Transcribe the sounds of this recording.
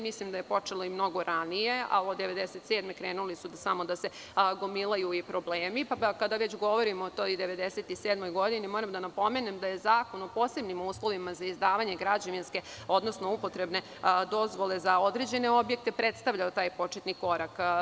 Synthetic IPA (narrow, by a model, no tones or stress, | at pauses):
mislimd̪aje̞po̞t͡ʂelˠo̞imno̞ɡo̞ɾanije̞a̰od̪eʋe̞d̪eset̪seːd̪mekɾeːnulisud̪samo̞d̪ase | ɡomilajuipɾo̞bleːmipakad̪aʋet͡ɕɡo̞ʋo̞ɾimoːt̪ojd̪e̞ʋe̞d̪eset̪iseːd̪mojɡo̞d̪inimo̞ɾamd̪anapo̞me̞nemd̪aje̞zaːko̞nopoːse̞bnimuːslˠo̞ʋimazaizd̪aːʋaɲeɡɾad͡ʑaʋinske̞ | o̞d̪no̞sno̞upo̞t̪ɾe̞bne̞ | d̪o̞zʋo̞lˠe̞zao̞d̪ɾeːd͡ʑe̞neo̞bje̞k̚t̪e̞pɾet̪st̪aʋʎaot̪aːjpo̞t͡ʃet̪niko̞ɾak